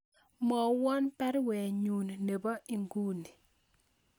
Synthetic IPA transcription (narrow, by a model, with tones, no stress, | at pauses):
mɔ˨wɔ˦npɛ˦ɾwɛ˨ɲu˨nne˨ba˦ʔi˨ŋɡu˦ni˨